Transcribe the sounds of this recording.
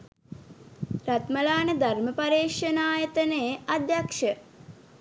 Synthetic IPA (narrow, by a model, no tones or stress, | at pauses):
ɾat̪məlaːnəd̪ʱarməpaɾeːʂɐnaːjət̪ənead̪jakʂə